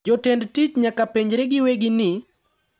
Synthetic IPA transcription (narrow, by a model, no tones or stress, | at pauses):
d͡ʒɔtɛndtit͡ʃɲakapeɲd͡ʒɾeɡɪweɡɪnɪ